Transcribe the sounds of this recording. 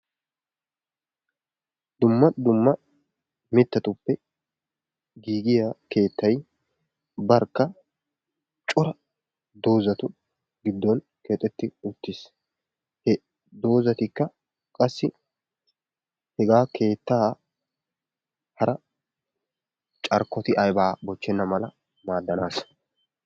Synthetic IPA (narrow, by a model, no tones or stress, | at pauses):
d̪ʊmːɐd̪ʊmːɐ | mɪt̪ːɐt̪ʊpːɛ | ɡiːɡɪjake̞ːt̪ːɐj | bɐɾkːɐ | t͡ʃʼʊɾɐ | d̪o̞ːzɐt̪ʊ | ɡɪd̪ːɔn | keːt̪ʼːɛt̪ːɪʊt̪ːɪs | hɛ | d̪o̞ːzɐt̪ɪkːɐ | kʼɐsːɪ | hɛɡaːkʰe̞ːt̪ːaː | hɐɾɐ | t͡ʃʼɐɾkːɔt̪ɪʔɐjbaːbɔt͡ʃːɛnːɐmɐlɐ | maːd̪ːɐnaːs